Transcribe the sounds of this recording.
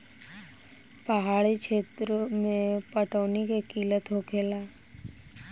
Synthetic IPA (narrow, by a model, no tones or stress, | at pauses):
pəɦaːɭikʃʰeːt̪ɾəmẽpəʈɔːnikekiːlət̪ɦokʰeːlaː